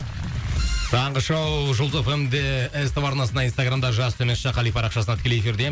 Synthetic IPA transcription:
t̪ʰɑɴʁəʃowʒʊlˠzofemd̪einst̪əpɑɾnɑsənɑinst̪aɡramd̪ɑʒɑst̪ʰemesʃɑqʰɑlˠijfɑɾɑqʃɑsənɑt̪ʰɪ̥kʲeleefiɾd̪e̞

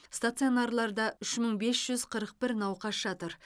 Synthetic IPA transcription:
st̪at̪sionɑɾlˠɑɾd̪ɑʏʃməɴbe̞sʒ̥ʏz̥qʰəɾəq̚bɪɾnɑwqɑsʃɑt̪əɾ

